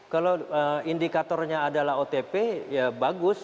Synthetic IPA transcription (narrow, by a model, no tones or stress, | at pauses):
kaloəindikat̪ɔrɲaːdalaɦot̪epeabaɡʊs